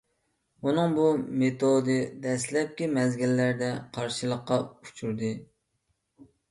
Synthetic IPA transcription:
unɨŋbumet̪ʰod̪ɨd̪ɛslɛp̚kʲimɛzɡʲilːæɾd̪ɛqʰɑɾʃɨlˠəqːɑu̥t͡ʃʰuɾd̪ɨ

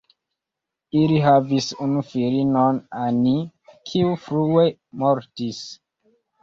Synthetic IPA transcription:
iliɦavisunufiɾinonanikʰiufɾue̞moɾtis

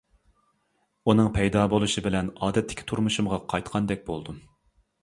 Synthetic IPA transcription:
unɨŋpʰɛjd̪ɑːbolˠuʃibɪlɛnɑːd̪ɛt̪ʰːɪ̥kʲʰt̪ʰuɾmuʃumʁɑqʰɑjt̪qʰɑnd̪ɛk̚ʲbolˠd̪u

